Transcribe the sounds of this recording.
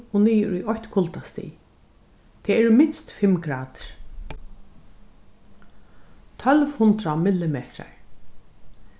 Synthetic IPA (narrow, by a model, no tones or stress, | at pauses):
ɔniːjɾʊjɔçt̪kʰʊlt̪ast̪ḭː | t̪ʰɛɛɹɪmɪnst̪fɪmkɾaːt̪ɹ̥ | t̪ʰœlvhʊnt̪ɾamɪlːɪmeːt̪ɾa̰ɹ